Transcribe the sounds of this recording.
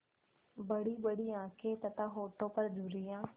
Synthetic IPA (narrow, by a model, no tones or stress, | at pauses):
bɐɽiːɓɐɽiːãːkʰet̪ɐt̪aɦoːʈopɐɾd͡ʒʱuɾiːjãː